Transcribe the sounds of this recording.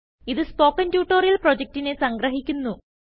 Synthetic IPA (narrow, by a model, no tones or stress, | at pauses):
iðɨspo̞ːkːɐntjuːʈːoːrijɐlprod͡ʑek̚tine̞sɐŋɡɾɐɦikʲːunːu